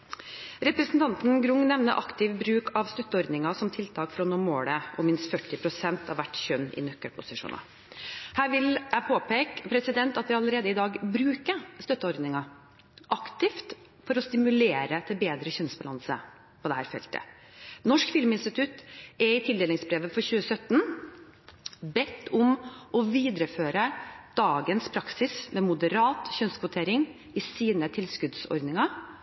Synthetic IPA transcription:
ɾɛpɾɛsnt̪ʰɑnt̪n̩ɡɾʊŋnɛʋnə̰ʔɑkt̪ɪʋbɾʉːkʰɑʋst̪œt̪ːəɔɾd̪nɪŋɑsɔmt̪ʰɪlt̪ʰɑːkfɾɔnuːmoːɽəʔɔ̰mɪnst̪fœʈːɪpʰɾʊsɛnt̪ʰɑʋʋæʈːçœnːɪ̰nœkːəɾpʰʊsɪʂṵːnɑ̰ | hæːɾʋɪlæpʰoːpeːkpʰɾɛsɪd̪ɛnt̪ɑt̪ʋɪɑləɾeːd̪əɪd̪ɑːɡbɾʉːkəst̪œt̪ːəɔɾd̪nɪŋɑ | ʔɑkt̪ɪft̪ | fɔɾɔst̪ɪmʉleːɾət̪ʰɪlbeːd̪ɾəçœnsbɑlɑ̰nsə̰ | pʰɔd̪ɛhæ̰ːɾfɛ̰lt̪ʰə̰ | nɔʂkfɪlmɪnst̪ɪt̪ʰʉt̪ɛɾɪt̪ʰɪld̪eːlɪŋsbɾeːʋəfɔɾçʉːəsœt̪ːn | bɛt̪ːʊmʔɔʋiːd̪ɾəføːɾəd̪̥ɑːɡənspʰɾɑksɪsmɛmʊd̪əɾɑːt̪çœnskʋʊt̪ʰeːɾɪŋ | ɪsiːnət̪ʰɪlskʉd̪sɔ̰ɾd̪nɪŋɑ

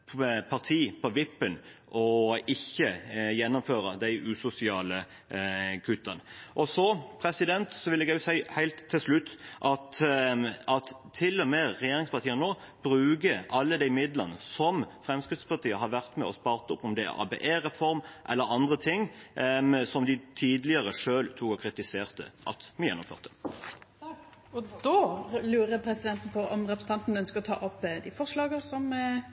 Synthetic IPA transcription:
pʰɑʁt̪ʰiːpʰɔʋɪpːənʔɔɪçːəjɛnːʊmføːɾəd̪æɪʔʉsʊsɪɑːlə | kʰʉt̪ːɑnʔɔsɔpʰɾɛsɪd̪ɛnt̪sɔʋɪlɛɡæʊsæɪhæɪlt̪ʰːɪlslʉt̪ːʔɑt̪ | ʔɑt̪ʰːɪlːɔmeːʁɛjeːɾɪŋspʰɑʁt̪iːənnoː | b̥ɾʉːɡəʔɑlːəd̪æɪmɪd̪lənəsɔmfʁɛmskɾɪd̪spɑʁt̪ʰiːəɦɑɾʋæʁt̪mɛ̰ɔspɑːʁt̪ʊpːɔmd̪ɛæ̰ɾɑ̰ːbḛːʔeːɾɛfɔɾmʔɛ̰lːəɾɑnd̪ʁət̪ʰɪŋː | sɔmd̪ɪt̪ʰiːd̪lɪəʁəʂøːlt̪ʰuːkɔkʰɾɪt̪ɪseːʁt̪ə̰ʔɑ̰t̪mɪjɛnːʊmfø̰ːʁt̪ə̥ | ɔd̪lʉːɾəpʰɾɛsɪd̪ɛnt̪n̩pʰɔʔɔmɾɛpɾəs̩n̩ɑnt̪nœnskəɾɔt̪ʰɑ̰ːʔɔpːd̪ɪfɔʁʂlɑːɡəsɔm

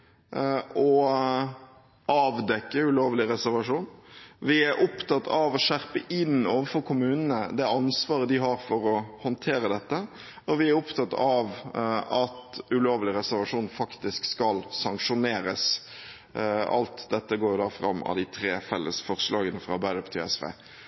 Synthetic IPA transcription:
ɔ | ʔɑːʋd̪ɛkːəʉloːʋlɪɾɛsæɾʋɑʂuːnʋɪæɾʔʊpt̪ɑt̪ːɑʋɔʂæɾpəʔɪnːoːʋəfɔɾkʰʊmʉːnənəd̪ɛɑnsʋɑːɾəd̪ɪɦɑɾfɔɾɔhɔnt̪ʰeːɾəd̪ɛt̪ːə | ɔʋɪæɾʊpt̪ʰɑt̪ːɑʋɑt̪ʉloːʋlɪɾɛsæɾʋɑʂuːnfɑkt̪ɪskskɑlsɑŋkʂʊneːɾəs | ɑ̰lt̪d̪ɛt̪ːəɡoːɾjʊd̪ɑːfɾɑ̰mːɑ̰d̪ɪt̪ʰɾeːfɛlːə̰sfɔɾslɑːɡənəfɾɑɑbæɪd̪əpt̪ʰɪɛ̰sʋḛː

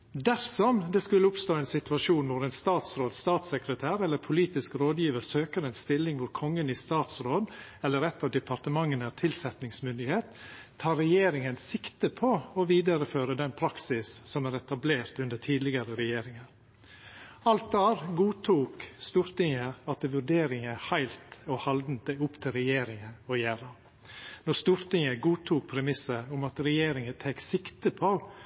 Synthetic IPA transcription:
d̪æɾsɔmd̪ɛskʉlːəʊpst̪oːɛnsɪt̪ʉʋɑʂuːnʋʊɾɛɪnst̪ɑːt̪sɾoːd̪st̪ɑːt̪sɛkɾət̪ʰæːɾɛlːəɾpʰʊliːt̪ɪskɾoːd̪jiːʋəsøːkəɾɛːnst̪ɪlːɪŋʋʊɾkʰɔŋːəniːst̪ɑːt̪sɾoːd̪ɛlːəɾɛt̪ːɑːʋd̪ɛpʰɑɾt̪əmɑŋːənæːɾt̪ʰɪlsɛt̪nɪŋsmʏnd̪ɪheːt̪ʰː | ɑːɾɛjeːɾɪŋənsɪkt̪əpʰɔɔʋiːd̪əɾəføːɾəd̪ɛnpʰɾɑksɪssɔmæːɾɛt̪ɑbleːɾt̪ʉnd̪ətʰiːd̪lɪɡɑɾəɾɛjeːɾɪŋəɾ | ɑlt̪̚d̪æːɾɡuːt̪ʰuːkst̪uːɾt̪ɪŋəɑt̪̚ɛʋʉɖeːɾɪŋəhæɪlt̪ɔhɑld̪n̩t̪̚d̪æɪʊpt̪ʰɪlɾɛjeːɾɪŋəɔjæːɾə | nɔɾst̪uːɾt̪ɪŋəɡuːt̪ʰuːk̚pʰɾɛmɪsəʊmɑt̪ɾɛjeːɾɪŋət̪ʰeksɪkt̪əpʰo

